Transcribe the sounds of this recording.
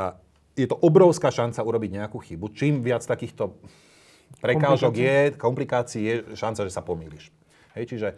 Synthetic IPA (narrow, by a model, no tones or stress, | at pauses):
a | jɛt̪ɔʔɔbɾɔʊskaːʃant͡sauɾɔbiɟɲɛakuxibut͡ʃiːmʋɪat͡st̪akiːxt̪ɔ | pɾɛkaːʒɔɡjɛkɔmplikaːt͡siijɛʃant͡saʒɛsapɔmḭːliʃ | ɦɛjt͡ʃiʒɛ